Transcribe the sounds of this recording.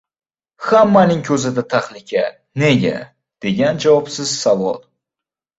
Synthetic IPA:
hamːanɪŋkʲʰɵzɪd̪at̪ʰaχnɪkʲʰa | neɡʲa̰ | d̪̥eɡʲand͡ʒawɒpsɪz̥savɒlˠ

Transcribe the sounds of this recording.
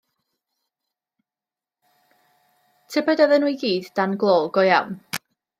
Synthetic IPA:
tʰɪbɛdəðənuiɡiːddanɡlˠoːlˠɡɔjawn

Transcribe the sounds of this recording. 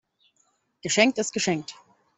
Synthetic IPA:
ɡ̥əʃɛŋk̚tɪst̚ɡ̥əʃɛŋk̚t

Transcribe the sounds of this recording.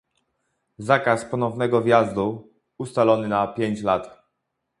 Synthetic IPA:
zakaspɔnɔvnɛɡɔvʲjazd̪u | ust̪alɔnɘnapʲjeɲt͡ɕlat̪

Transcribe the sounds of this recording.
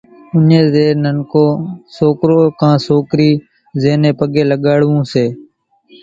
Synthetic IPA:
ʊnẽːzeːɾnənkõːsoːkɾoːkãːsoːkɾiː | zeːnẽːpəɠeːləɠaːɽʋũːseː

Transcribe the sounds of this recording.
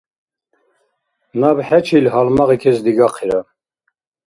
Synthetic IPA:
nɑːbəħɛt͡ʃʰilɦɑlmɑʁikʰesd̪iɡɑqʰiɾɑ

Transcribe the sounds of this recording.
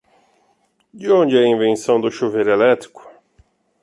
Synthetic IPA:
d͡ʒɪõnd͡ʒɪaĩvẽsɐ̃w̃d̪ʊʃuveɾelɛt̪ɾikʊ̥

